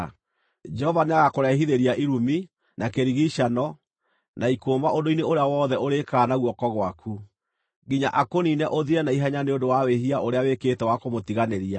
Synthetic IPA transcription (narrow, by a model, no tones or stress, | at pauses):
d͡ʒɛhɔvaneaɣakoɾɛɦiðeɾiaʔiɾumi | nakeɾiɣiʃanɔ | naikoːmaʔondoineoɾeawɔːðɛoɾekaːnaɣwɔkɔɣwakʰu | ɡiɲa̰ʔakoninɛʔoðiɾɛnaiɦaɲaneondowaweɦiaʔoɾeaweketɛwakomotiɣaneɾia